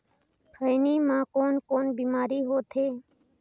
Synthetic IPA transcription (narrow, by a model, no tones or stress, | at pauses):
kʰəɪniːmãːkoːnkoːnbiːmaːɾiːɦoːt̪ʰeː